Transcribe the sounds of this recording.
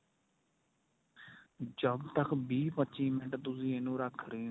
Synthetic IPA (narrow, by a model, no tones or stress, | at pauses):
d͡ʒəbt̪əkʰbiːpətːt͡ʃiːmɪʈt̪ʊsĩːenũːɾəkʰɾeː